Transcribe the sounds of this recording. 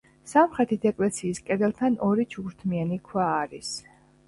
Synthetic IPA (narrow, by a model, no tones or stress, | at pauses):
samχɾɛt̪ʰid̪ɛkʼlɛt̪sʰiːskʼɛd̪ɛlˠt̪ʰanɔɾit͡ʃʰuɡɾt̪ʰmianikʰwaːɾis